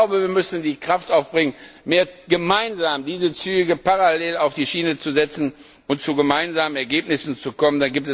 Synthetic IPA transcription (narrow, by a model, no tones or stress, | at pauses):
aʊbəviːɐmʏsn̩diːkʁ̥aftaʊfb̥ʁɪŋənmeːɐɡ̥əmaɪnzaːmdiːzət͡syːɡəpaʁaleːlaʊfd̥iːʃiːnət͡suzɛt͡sn̩ | ʊntt͡suɡəmaɪnzaːmənɛɐɡeːpnɪsn̩t͡sukʰɔməndanɡiːp̚tɛ